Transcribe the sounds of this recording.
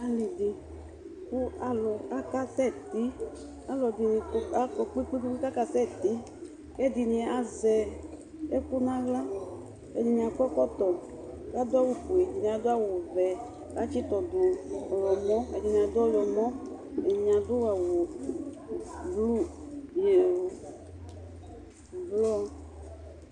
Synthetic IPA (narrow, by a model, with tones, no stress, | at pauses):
a˨li˨di˨ | ku˦a˦lɔ˨a˦ka˦sɛ˦˨t̪i˦ | a˦lɔ˨di˨ni˧˦a˦kɔ˨k͡pi˦k͡pi˦ki˦ku˦ka˦ka˦˨sɛ˦˨t̪i˦ | kɛ˦di˨nĩ˧˨a˨zɛ˨ | ɛ˦ku˦nã˦ɣla˦ | ɛ̰˨di˨ɲĩ˨a˨kɔ˦kɔ˦t̪ɔ˨˦ | ka˦d̪ʊ˦a˦˨wu˨pu˨e˨di˨nĩ˨a˨d̪ʊ˦a˦wu˨vɛ˨ | ka˦t͡ʃi˦t̪ɔ˨du˨ɔ˨jɔ˨mɔ˦ɛ˨di˨nĩ˨a˨d̪ɔ˦˨jɔ˨mɔ˦ɛ˨ni˨ɲ˨a˨d̪u˦wa˨wu˨ | blu˦˨e˨ | blɔ˦